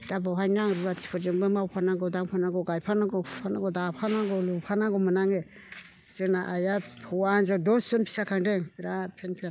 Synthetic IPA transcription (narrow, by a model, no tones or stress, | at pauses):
dabawɦajnaŋɾubatʰi̥pʰɔɾzɯŋbɯmawpʰanaɡɔdaŋpʰanaɡɔɡajpʰanaɡɔpʰpʰanaɡɔdapʰanaɡɔlupʰanaɡɔmɯnaŋe | z̥ɯnaʔajapʰɔwanzadɔsɔnpʰi̥sakʰaŋdeŋbiɾapʰenpʰian